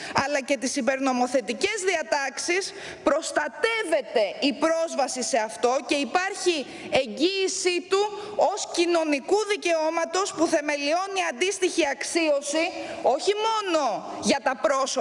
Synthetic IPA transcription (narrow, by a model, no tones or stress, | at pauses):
ɐlɐce̞t̪isipe̞ɾno̞mo̞θe̞t̪ice̞zðiɐt̪ɐksis | pɾo̞st̪ɐt̪e̞ve̞t̪e̞ipɾo̞zvɐsise̞ɐft̪o̞ce̞ipɐɾçi | e̞ɲɟiːsit̪uo̞scino̞nikuðice̞o̞mɐt̪o̞spuθe̞me̞lio̞niɐnd̪ist̪içiɐksio̞sio̞çimo̞no̞ | ʝɐt̪ɐpɾos